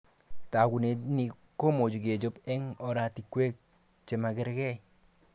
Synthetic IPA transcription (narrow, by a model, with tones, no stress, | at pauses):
ta˨ɡu˨ne˨ni˨ | ko˦mo˨d͡ʒu˨ɡe˨d͡ʒo˦pɛ˦ŋɔ˨ɾa˨ti˨kwe˦k̚ | t͡ʃe˨ma˨ɡɪ˦ɾɡɛ˦˨